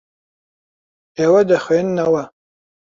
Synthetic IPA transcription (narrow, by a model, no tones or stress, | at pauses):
ewadaχenːawa